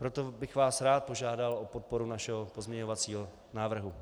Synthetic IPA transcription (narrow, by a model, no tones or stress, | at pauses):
pɾot̪obɪxvaːsɾaːt̪̚po̞ʒaːdalʔopot̪̚poɾunaʃɛɦopozmɲɛɲovat͡siːɦo | naːvr̩ɦu